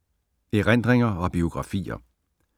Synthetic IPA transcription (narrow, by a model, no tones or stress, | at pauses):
eʁen̰d̥ʁeŋɐɒ̽b̥io̝ɡ̥ʁɑ̈fḭːɐ̰